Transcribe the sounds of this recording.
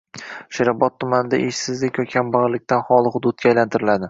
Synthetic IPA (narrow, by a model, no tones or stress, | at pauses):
ʃɪɾɑbɒt̪ʰːʊmanɪd̪a̰ʔeʃsɪzlɪkʲjɒkʲʰambaʁlɪk̚ʲt̪anχɒlˠɨhʊd̪ʊt̪̚ɡʲaːjlant̪ʰɪɾɪlad̪ɪ